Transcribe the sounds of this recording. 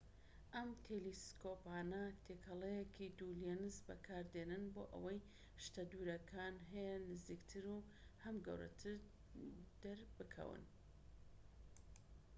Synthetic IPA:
ʔɐmt̪ʰeliskʰoːpaːnɐt̪ʰekʰɐlejekʰid̪uljenɨzbɐ̰kʰaːɾd̪enɨnbo̰ːʔɐ̰wɐj | ʃt̪ɐd̪uɾɐkʰaːnɦɛjɛnɨziːkt̪ʰɨɾu | hɐmɡɐ̰wɾɐ̰t̪ʰɨɾ | d̪̥ɐɾbɨkʰɐ̰wɨ̰n

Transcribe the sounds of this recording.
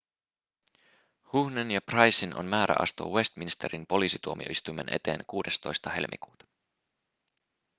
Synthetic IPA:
huhnenjɑprɑjsinʔo̞̰nmæːɾæ̰ʔɑ̰st̪o̞̰ːwe̞st̪minist̪e̞ɾinpo̞liːsit̪uo̞mio̞ist̪ujme̞nʔe̞̰t̪e̞ːnkuːde̞st̪o̞jst̪ɑhe̞lmʔḭkuːt̪ɑ̥

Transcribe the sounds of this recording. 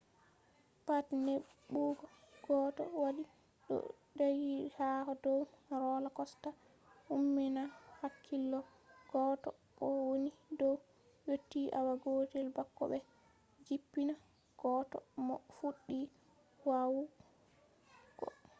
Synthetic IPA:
patneɓuɡɔ | ɡ̥ɔːtɔ̰waɗi | ɗɔ̰ | ɗajihahɔdɔwɾɔlakɔsta | umːɛnahakʰːilːɔ | ɡ̥ɔtɔ̰kɔwonidɔw | jotːiʔawaɡoːtɛlbakːɔ̰ɓɛ | d͡ʒipːina | ɡ̥ɔːtɔ̰mɔfuɗːi | wawu | kɔ̰

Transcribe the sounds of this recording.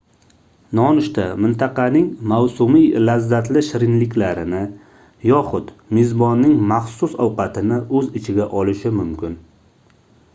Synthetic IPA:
nɒnʊʃt̪amɪnt̪ʰɑqɑnɪŋmawsʊmijlazːat̪lɪʃɪɾɪnlɪkʲlaɾɪnɪ | jɒχʊt̪mezbɒnːɪŋmaχsʊsɒwqɑt̪ʰɪnɪɵzɪt͡ʃʰɪɡʲaʔɒlɪʃɪmʊmkʲɪn

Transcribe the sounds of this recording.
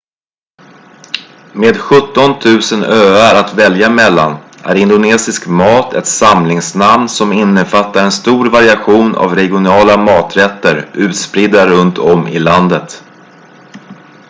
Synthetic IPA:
meːd̪ɧɵt̪ːɔnt̪ʰʉ̟ːsənøːaɾat̪vɛljamɛlːanʔæ̰ɾɪnd̪ʊneːsɪskmɑːt̪ʰɛt̪samlɪŋsnamnsɔmɪnːəfat̪ːaɾɛnst̪uːɾvaɾɪaɧuːna̰vɾɛɡɪʊnɑːlamɑːt̪ɾɛt̪ːəɾʔʉ̟ːt̪spɾiːd̪ːaɾɵnt̪ʰɔmɪ̰land̪ət̪

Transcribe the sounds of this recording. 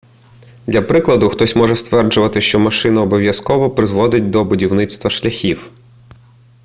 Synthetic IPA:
d̪ʲlʲɐpɾɪklˠɐd̪ʊxt̪ɔsʲmɔʒɛst̪ʋɛrd͡ʒʊʋɐt̪ɪʃt͡ʃɔmɐʃɪnɐːbɔʋʲjɐskɔʋɔpɾɪzʋɔd̪ɪt̚ʲd̪ɔbʊdʲiwnɪt̪st̪ʋɐʃlʲɐxʲiw

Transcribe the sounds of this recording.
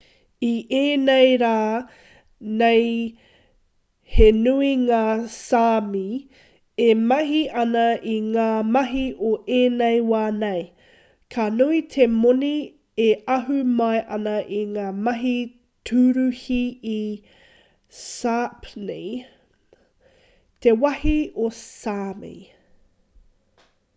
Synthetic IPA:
iʔeːnejɾaː | nej | henuiŋaːsaːmi | emɐɦiʔɐnɐʔiŋaːmɐɦiʔoʔeːnejwaːnej | kʰanuitʰemoni | eɐɦʉmɐjʔɐnɐʔiŋaːmɐɦi | tʰʉɾʉhii | sapne | t̪ewɐhiosaːmḭ

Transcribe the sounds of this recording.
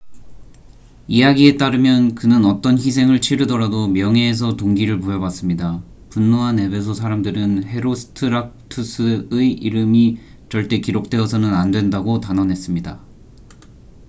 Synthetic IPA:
ijaɡie̞t͈aɾɯmjʌnkɯnɯnʌt͈ʌnçis̬ʰe̞ŋɯɭt͡ɕʰiɾɯdʌɾadomjʌŋe̞ːs̬ʰʌtoŋɡiɾɯɭpojʌbwas͈ɯmɲida | punːoɦane̞be̞s̬ʰosʰaɾamdɯɾɯnhe̞ɾosʰɯ̥tʰɯɾak̚tʰusʰɯɯiɾɯmi | t͡ɕʌɭt͈e̞kiɾok̚t͈we̞ʌsʰʌnɯnandwe̞ndaɡotanʌnɦe̞s͈ɯmɲida

